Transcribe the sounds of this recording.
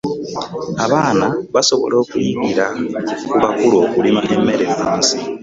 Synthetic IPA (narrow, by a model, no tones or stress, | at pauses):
aβaːnaβaso̞βo̞̰lo̞ːkwiβiɾakuβakulo̞kulimaʔe̞mːe̞ɾe̞muːnsi